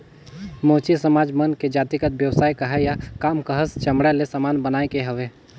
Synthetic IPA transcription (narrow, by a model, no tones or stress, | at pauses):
mõːt͡ʃisəmaːd͡ʒmənked͡ʒaːt̪ikət̪̚bjəwsaːikəɦɛjakaːmkəɦəst͡ʃɐmɽalesamaːnbənaːekeɦəʋeː